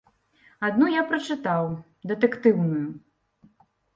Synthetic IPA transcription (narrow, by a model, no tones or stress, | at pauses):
ad̪nujapɾɐt͡ʂɨt̪aw | d̪ɛt̪ɛkt̪ɨwnuju